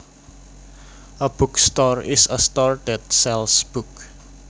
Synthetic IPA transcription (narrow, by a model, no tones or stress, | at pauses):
əb̥ukst̪ɔɹɪsəst̪ɔɹtɛd̚sɛlsb̥uk